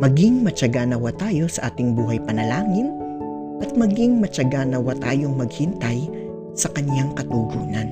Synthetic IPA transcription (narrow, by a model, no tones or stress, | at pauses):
mɐɡɪŋmɐt͡ʃɐɡaːnɐwat̪aːjo̞sɐʔaːt̪ɪŋbuːɦɐjpɐnɐlaːŋɪn | ʔɐt̪̚mɐɡɪŋmɐt͡ʃɐɡaːnɐwat̪aːjo̞ŋmɐɡhɪnt̪ɐj | sɐkɐnjaŋkɐt̪uɡuːnɐn